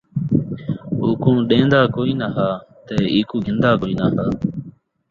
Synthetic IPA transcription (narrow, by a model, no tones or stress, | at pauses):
oːkõːɗẽːnd̪aːkoːiːnaːɦaːt̪eːiːkuːɡɪnd̪aːkoːiːnaːɦaː